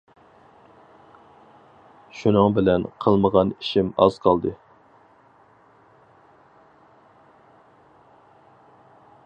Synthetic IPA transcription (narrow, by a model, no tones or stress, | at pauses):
ʃunɨŋbɪlɛnqʰəlˠməʁɑniʃimɑ̰z̥qʰɑlˠd̪ɨ